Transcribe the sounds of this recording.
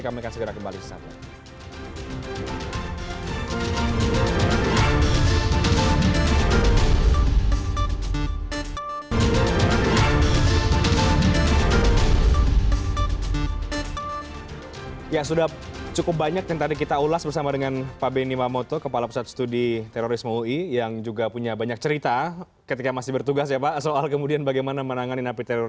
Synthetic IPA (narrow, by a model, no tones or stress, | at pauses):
kamikansəɡəɾakəmbalisə̥sa̰pa | jasudah | t͡ʃukʊp̚baɲak̚daŋt̪adikit̪aulasbərsamadəŋanpabenimamot̪okəpalapusat̪st̪udit̪ɛɾoɾɪsmuijaŋd͡ʒuɡapuɲabaɲak̚t͡ʃəɾit̪a | kət̪ikamasɪhbərt̪uɡasjapasoalkəmudianbaɡajmanamənaŋaninapit̪ɛɾo